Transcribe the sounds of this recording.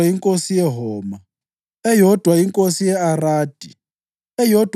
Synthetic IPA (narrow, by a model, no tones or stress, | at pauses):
aiŋkʼosijɛɦɔːma | ɛjɔd̥ʱwaiŋkʼosijɛaraːd̥ʱi | ɛjɔd̥ʱ